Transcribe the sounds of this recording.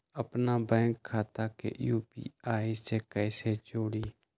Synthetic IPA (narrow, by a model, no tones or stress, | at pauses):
əpnaːbɛ̃ːŋkʰːaːt̪akḛʔjuːpḭːaːisekɛːset͡ʃoːɽiː